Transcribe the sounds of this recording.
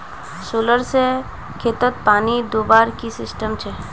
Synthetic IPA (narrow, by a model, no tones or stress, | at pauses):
suːləɾse | kʰeːt̪ət̪̚paːnid̪oːbaːɾkisɪsʈəmt͡ʃʰɛ